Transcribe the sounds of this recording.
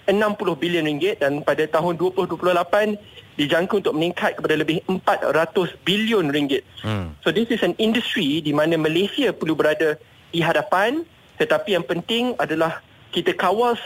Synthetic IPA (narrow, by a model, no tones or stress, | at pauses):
ənãmpulʊhbiliʊnriŋɡɪt̪̚danpadat̪aɦʊnduəpulʊhduəpulʊhlapandid͡ʒaŋkəunt̪ʊk̚məniŋkʰat̪̚kəpadaləbɪhəmpat̪̚ɾat̪ʊsbiliʊnriŋɡɪt̪̚sodisɪsənĩndust̪ɾidimãnãmãlesiapərlubəɾada | diɦadapan | t̪ət̪apijaŋpənt̪ɪŋadalah | kit̪akawals